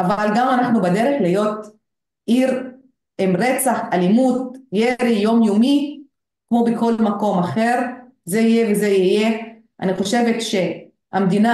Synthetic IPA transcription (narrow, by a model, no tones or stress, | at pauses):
ʔavalɡamanaχnubad̪e̞ʁeχlejo̞t̪ | ʔiʁ | emʁet͡saχalimut̪̚jeɾijo̞mjomi | kmo̞beko̞lmako̞maχe̞ʁ | zeijevezeije̞ | a̰niχo̞ʃe̞vet̪ʃe̞ | amd̪ina